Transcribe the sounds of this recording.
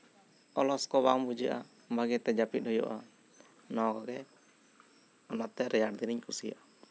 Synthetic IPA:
ɔlɔskɔbambud͡ʒəʔa | baɡɛt̪ɛd͡ʒapit̪̚hɔjɔ̰ʔa | nɔkɔɡɛ | ɔnat̪ɛɾɛjaʈ̚d̪iniɲkusija̰ʔa

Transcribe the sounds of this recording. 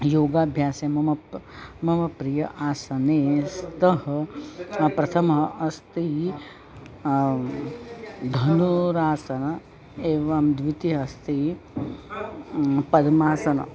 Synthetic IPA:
joːɡaːbʱjaːsemɐmɐmɐmɐpɾijɐʔaːsɐneːst̪ɐɦɐ | pɾɐt̪ʰɐmɐɦɐʔɐst̪iɦi | d̪ʱɐnuɾaːsɐnɐ | eːʋamd̪ʋit̪iɦɐst̪iɦi | pɐd̪maːsɐnɐ̰

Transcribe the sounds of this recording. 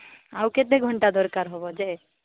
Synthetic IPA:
awked̪eɡʱɔɳʈad̪ɔɾkaɾɦɔbɔd͡ʒe

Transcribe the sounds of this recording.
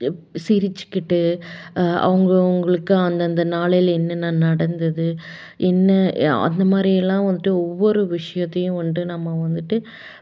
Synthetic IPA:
sɪɾɪt͡ʃːɯ̥kːɪʈːɯ | ɐ̰ʋɐŋɡɐʊŋɡɐɭɯkːɯɐnd̪ɐnd̪ɐnaːɭɐjɪlɛnːɐnãːnɐɽɐnd̪ɐðɯ | ʔɛnːɐɐ̰nd̪ɐmaːd̪ɾiɛlːãːʋɐnd̪ɯʈːɯɔʋːɔɾɯʋɪʂɐjɐt̪ːɐjʊ̃ʊɳɖɯnɐmːɐʋɐnd̪ɯʈːɯ

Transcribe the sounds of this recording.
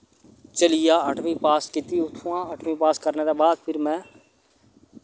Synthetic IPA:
t͡ʃəlɪjaːəʈʰmĩːpaːskiːt̪iːʊt̪ʰːũːãːəʈʰʋĩːpaːskəɾneːd̪aːbaːd̪̚pʰɪɾmɛ̃ː

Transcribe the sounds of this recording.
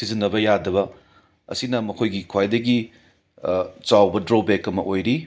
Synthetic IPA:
sizinːɐbɐjadɐbɐ | ɐ̰sinɐmɐkʰojɡikʰwajdɐɡi | t͡ʃawbɐdɾobekɐmɐʔojɾi

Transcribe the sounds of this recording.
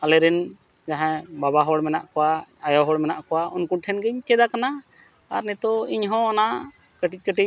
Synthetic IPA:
alɛɾɛn | d͡ʒaɦɛ̃babaɦɔɽmɛna̰ʔkɔwaːjɔɦɔɽmɛnaʔkɔwaunkuɳʈʰɛnɡɛɲt͡ʃɛd̪akana | aɾnɛt̪ɔiɲɦɔ̃ɔna | kəʈic̚ˀkəʈic̚

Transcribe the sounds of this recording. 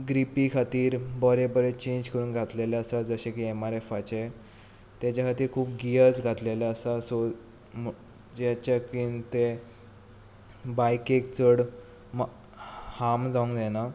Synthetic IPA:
ɡɾipiːkʰat̪iːɾbəɾebəɾet͡ɕẽɲd͡ʑkəɾuːnɡʱat̪lelaəsad͡zəɕẽkiemaɾefat͡ɕe | t̪jat͡ɕakʰat̪iːɾkʰuːp̚ɡiəd͡zɡʱat̪lelaəsasɔ | m | d͡ʑat͡ɕakint̪e | bajkekt͡səɽ | m | hamd͡zaũŋkd͡zana

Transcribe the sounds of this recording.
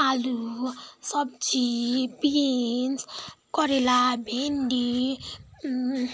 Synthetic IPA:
alusɔb̚d͡ʒipinskɔɾilabendi

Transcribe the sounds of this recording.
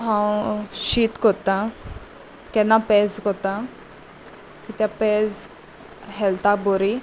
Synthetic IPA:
ɦãwɕiːt̪kɔt̪ã | kɛnːapɛd͡zkɔt̪ã | kit̪japɛd͡z | ɦɛlt̪aboɾi

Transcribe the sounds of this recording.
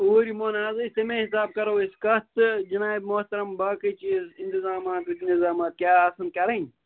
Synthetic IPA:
oːɾimoːnaːzɐsemẽːɦisaːb̚kɐɾoːiskɐst̪d͡ʒɐnaːibmoht̪ɐɾɐmbaːkɐt͡ʃizɪnt̪ɪzaːmaːt̪ɐkint̪ɪzaːmaːt̪̚kʲjaːɐsɐnkɐɾɐ

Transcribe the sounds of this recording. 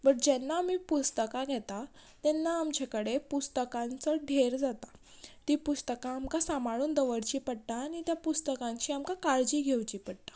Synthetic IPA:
bəɽ̚d͡ʑɛnːaːmiːpust̪əkaɡʱɛt̪at̪ɛnːaːmd͡ʑekəɽepust̪əkãnt͡səɖʱeɾd͡zat̪a | t̪iːpust̪əkãːmkasamaɭuːnd̪əʋəɽt͡ɕiːpəɽt̪aːnit̪japust̪əkãɲt͡ɕiːamkakaɾd͡ʑiːɡʱewt͡ɕiːpəɽʈ̪ḁ

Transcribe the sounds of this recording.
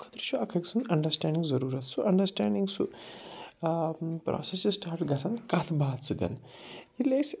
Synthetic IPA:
kʰɐ̥t̪ɾɐt͡ʃʰuɐkʰɐksʰunɐɳɖɐɾsʈaːɳɖiŋzɐɾuːɾɐt̪̚t͡sʰuʔɐɳɖɐɾsʈaːɳɖiŋɡsʰu | pɾʔɔ̰ːsesisʈaːɾʈɡɐsʰankɐt̪ʰbaːt̪t͡sid̪ɐ̰niles

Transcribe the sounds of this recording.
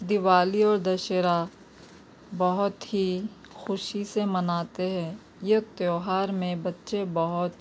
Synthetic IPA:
d̪ɪʋaːliɔːɾd̪ɐʃeɾa | bɐɦʊt̪ɦi | xʊʃisemɐnaːt̪eɦɛ̃ː | jɐt̪joːɦaːɾmẽbɐtːʃebɐɦʊt̪

